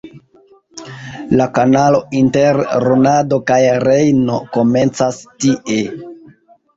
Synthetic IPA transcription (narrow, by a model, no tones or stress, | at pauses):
lakanalo̞inte̞ɾɾonado̞kajɾejno̞ko̞me̞nt͡sastiʔe̞